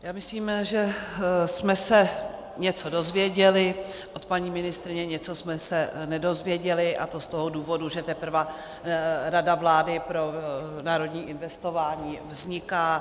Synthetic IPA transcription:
jaːmɪsliːmʒɛsmɛsɛ | ɲɛt͡so̞do̞zvjɛɟɛlɪ | ʔot̪paɲiːmɪnɪst̪ɾɪɲɛɲɛt͡so̞smɛsɛnɛdo̞zvjɛɟɛlɪʔa̰t̪o̞st̪o̞ɦoduːvo̞duʒɛt̪ɛpr̩va | ɾadavlaːdɪpɾo̞naːɾo̞dɲiːʔɪnvɛst̪o̞vaːɲiːvzɲɪkaː

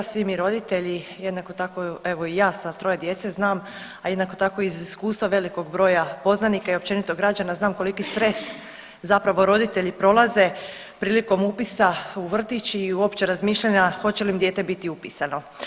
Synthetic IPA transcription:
asʋimiɾo̞d̪it̪e̞ʎijed̪nako̞t̪akoe̞ʋo̞ijaːsat̪ɾo̞jed̪je̞t̪seznaːmaje̞d̪nako̞t̪ako̞iziskuːst̪ʋaʋe̞liko̞ɡbɾo̞ːjapo̞znanikaio̞p̚t͡ɕe̞nit̪o̞ɡɾad͡ʑanaznaːmko̞likist̪ɾe̞s | zapɾaʋo̞ɾo̞d̪it̪e̞ʎipɾo̞lˠaze̞ | pɾiːliko̞mupisauʋr̩t̪it͡ɕiːuo̞pt͡ɕe̞ɾazmiːʃʎaɲaxo̞t͡ɕe̞limd̪je̞ːt̪ebit̪iupisano̞

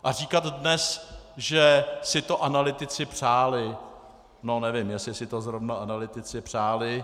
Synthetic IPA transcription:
ʔar̝iːkat̪dnɛsʒɛsɪt̪o̞ʔanalɪt̪ɪt͡sɪpr̥aːlɪ | nonɛvɪmjɛsɪsɪt̪ozɾovnaanalɪt̪ɪt͡sɪpr̝̥aːlɪ

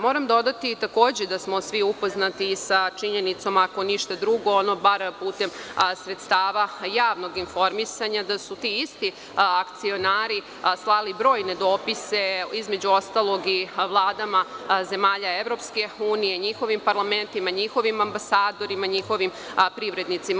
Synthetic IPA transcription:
mo̞ːɾamd̪o̞d̪at̪it̪akoːd͡ʑed̪asmo̞sʋiupo̞znat̪isat͡ʃiɲe̞nit̪so̞mako̞niʃt̪ad̪ɾuɡo̞ono̞baɾpuːt̪e̞msɾet̪st̪aːʋajaːʋno̞ɡinfo̞ɾmisaɲad̪asut̪iːist̪i | akt̪sio̞naːɾi | slˠalibɾo̞ːjne̞d̪o̞ːpise̞izme̞d͡ʑuo̞st̪alˠo̞ɡiʋlˠaːd̪amaze̞maːʎae̞ʋɾo̞pske̞uːnije̞ɲixo̞ʋimpaɾlˠame̞nt̪imaɲixo̞ʋimambasaːd̪o̞ɾimaɲixo̞ʋim | pɾiʋɾe̞d̪nit̪sima

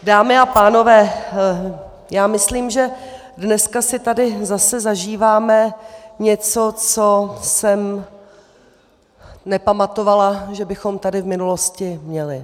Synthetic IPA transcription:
daːmɪapaːno̞vɛː | jaːmɪsliːmʒɛ | dnɛskasɪt̪adɪzasɛzaʒiːvaːmɛɲɛt͡so̞t͡so̞sɛm | nɛpamat̪o̞valaʒɛbɪxo̞mt̪adɪvmɪnuloscɪmɲɛlɪ

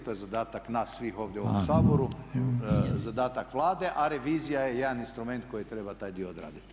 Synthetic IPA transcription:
t̪ojezad̪aːt̪aknasːʋixo̞ːʋd̪jeuoomsaːboɾu | zad̪aːt̪akʋlˠaːd̪e̞ʔaɾeʋiːzijajejed̪aninst̪ɾume̞nt̪̚ko̞jit̪ɾebat̪aːjd̪ijood̪ɾa̰ːd̪it̪

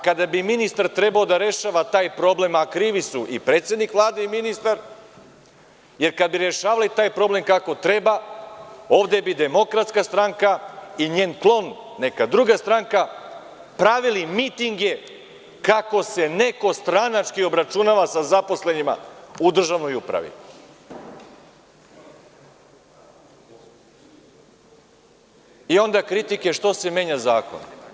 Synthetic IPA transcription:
kad̪abiminist̪aɾt̪ɾe̞baod̪aɾe̞ʃaːʋat̪aːjpɾo̞ble̞makɾiːʋisuʔipɾet̪sje̞d̪nikʋlˠaːd̪eiminist̪aɾ | je̞ɾkad̪̚biɾeʃaːʋalit̪aːjpɾo̞ble̞mkako̞t̪ɾe̞ba | o̞ːʋd̪e̞bid̪e̞mo̞kɾat̪skast̪ɾaŋkaiɲe̞ːnklˠo̞nːe̞kad̪ɾuɡast̪ɾaŋka | pɾaʋilimit̪iŋɡje̞ | kako̞se̞ne̞ko̞st̪ɾanat͡ʃkio̞bɾat͡ʃunaːʋasazapo̞sle̞ɲima̰ud̪r̩ʒaʋno̞jupɾa̰ʋḭ | io̞nd̪akɾit̪ike̞ʃt̪o̞se̞me̞ːɲazaːko̞̰n

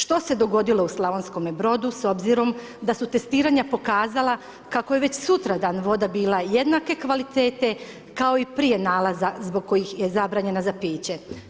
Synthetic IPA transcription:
ʃt̪o̞se̞d̪o̞ɡo̞d̪ilˠo̞uslˠaʋonsko̞mebɾo̞d̪uso̞bziɾo̞m | d̪asut̪e̞st̪iːɾaɲapo̞kaːzalˠa | kako̞je̞ʋet͡ɕsut̪ɾad̪aːnʋo̞d̪abiːlˠaje̞d̪nake̞kʋalit̪eːt̪e̞ | kao̞ipɾije̞naːlazazbo̞ɡ̚ko̞jixje̞zabɾaːɲe̞nazapiːt͡ɕe̞

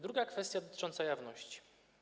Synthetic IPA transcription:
d̪ɾuɡakfɛst̪ʲjad̪ɔt̪ɘ̥t͡ʂɔnt̪sajavnɔɕt͡ɕi̥

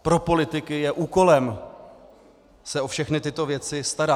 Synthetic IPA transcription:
pɾo̞po̞lɪt̪ɪkɪjɛʔuːko̞lɛm | sɛʔo̞fʃɛxnɪt̪ɪt̪o̞vjɛt͡sɪst̪aɾa

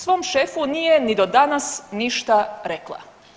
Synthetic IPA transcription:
sʋo̞ːmʃefunijenid̪o̞d̪anasniʃt̪aɾeklˠa̰

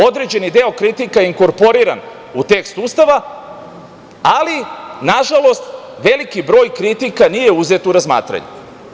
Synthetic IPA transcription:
o̞d̪ɾe̞d͡ʑe̞nid̪e̞o̞kɾit̪ikajeiŋko̞ɾpo̞ɾiɾa̰n | ut̪e̞kst̪ust̪aʋa | alinaʒalˠo̞st̪ | ʋe̞likibɾo̞ːjkɾit̪ikanije̞uze̞t̪uɾazma̰ːt̪ɾa̰ɲṵ

